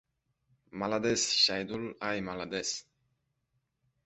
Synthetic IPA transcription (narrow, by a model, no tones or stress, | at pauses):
malad̪esʃajd̪ulajmalad̪es